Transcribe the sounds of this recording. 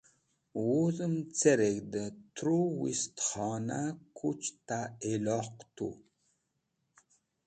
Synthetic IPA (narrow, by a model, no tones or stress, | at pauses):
wuzɨmt͡seɾeɡd̪ət̪ʰɾuwḭst̪χɑnakʰut͡ʃt̪aelɔqt̪ṵ